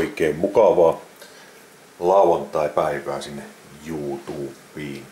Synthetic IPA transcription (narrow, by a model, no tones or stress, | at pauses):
ikeːmmukɑʋɑː | lɑˑuwɑnt̪ˑɑipæiʋæːsinːe | juːt̪uːpːˑiːn